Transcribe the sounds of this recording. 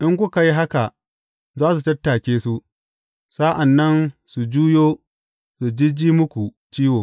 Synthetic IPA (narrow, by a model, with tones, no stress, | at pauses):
ʔɪ˦ŋk̬ʷʊ˦ka˨ji˦ɦa˦ka˨ | zaː˦su˨tɐ˦tːaː˨kʲeː˦su˦ʔ | saː˦ʔa˨nːɐ˦nsu˨d͡ʒuː˦joː˦ | su˨d͡ʒɪ˦d͡ʒiː˦mʊ˦kʷu˨ | t͡ʃiː˦woː˨